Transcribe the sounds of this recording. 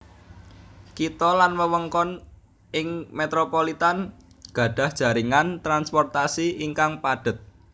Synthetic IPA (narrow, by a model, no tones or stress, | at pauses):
kit̪ɔlanməwəŋkɔn | ɪŋmet̪ɾopolit̪an | ɡ̥a̤ɖ̥ä̤hd̥ʒ̥a̤ɾiŋant̪ɾanspɔrt̪asiiŋkaŋpaɖ̥ə̤t̪̚